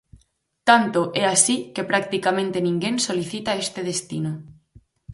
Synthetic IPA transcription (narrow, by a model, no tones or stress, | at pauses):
t̪ant̪oʔɛasikepɾak̚t̪ikamẽnt̪enĩŋɡensoliθit̪aest̪eð̞est̪ino